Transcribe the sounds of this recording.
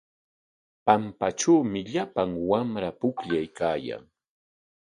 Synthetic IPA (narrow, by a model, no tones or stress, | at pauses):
pampaʈ͡ʂawmɪʎapaŋwamɾapʊkʎajkaːja̰ŋ